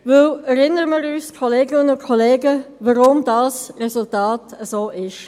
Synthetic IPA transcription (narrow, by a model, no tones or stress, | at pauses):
vʏlɛɾɪnəɾəməɾyːskʰoleːɡɪnənʊnkʰoleːɡəvaɾʊmd̥ɑːsrɛzʊltɑːtəzoːʔɪʃ